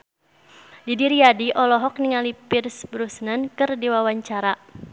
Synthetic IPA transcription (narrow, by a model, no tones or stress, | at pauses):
didiɾiadiʔɔlɔɦɔk̚niŋalipɪrsbɾusnankɨrdiwawaɲt͡ʃaɾa